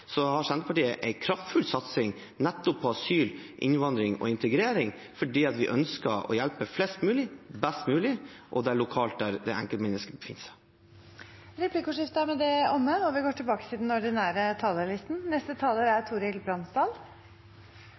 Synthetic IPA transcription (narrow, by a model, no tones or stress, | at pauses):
sɔhɑʂɛnd̪əpʰɑʈiːəʔɛɪkʰɾɑft̪fʉlsɑt̪sɪŋ | nɛt̪ːʊpʰːɔɑsyːlʔɪ̰nʋɑnd̪ɾɪŋɔ̰ɪnt̪əɡɾeːɾɪŋ | fɔɖiːɑt̪ʋɪ̰ʔœnskəɔ̰jælpəflɛːst̪mʉːlɪbɛst̪mʉːlɪʔɔd̪ɛæɭʊkʰɑːlt̪̚d̪æɾd̪ɛæ̰ŋkəlmɛnːəskəbəfɪ̰nːsɛ | ɾɛpʰlɪkʊʂɪft̪əæɾmɛd̪ɛɔmːəɔʋɪɡoːʈɪlbɑːkət̪ʰɪld̪ɛnɔɖɪnæːɾət̪ʰɑːləlɪst̪n̩nɛst̪ət̪ʰɑːləɾæɾt̪ʰuːɾɪlbɾɑnsd̪ɑːl